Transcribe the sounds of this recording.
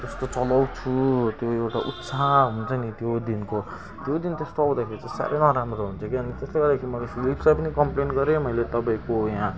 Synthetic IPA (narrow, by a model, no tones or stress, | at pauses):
d͡zʌst̪ot͡sʌlawt͡sʰut̪joewʈaʔut̪saɦunt͡sʰʌnit̪jod̪inko | t̪jod̪int̪est̪oawd̪akʰeɾit͡sãsa̰ɾʔejnʌɾamroɦunt͡sʰʌkiʌnit̪ʌsleɡʌrd̪akʰiimʌlasilipsajpʌnikʌmplenɡʌɾemʌjlet̪ʌpaĩkojã